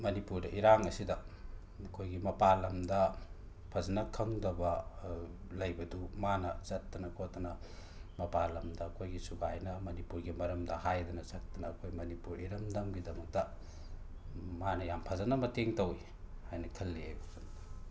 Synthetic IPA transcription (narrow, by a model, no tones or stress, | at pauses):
mɐnipuɾdɐʔiɾaŋɐsidɐ | ɐkʰojɡimɐpalɐmdɐ | pʰɐzɐnɐkʰɐŋdɐbɐ | lɐjbɐdumanɐt͡ʃɐtːɐnɐkʰotːɐnɐ | mɐpalɐmdɐːkʰojɡisuɡajnɐmɐnipuɾɡimɐɾɐmdɐhajdɐnɐsɐk̚tɐnɐːkʰojmɐnipuɾiɾɐmdɐmɡidɐmɐk̚tɐ | manɐjampʰɐzɐnɐmɐteŋtɐwi | hajnɐkʰɐlːiajbɐsont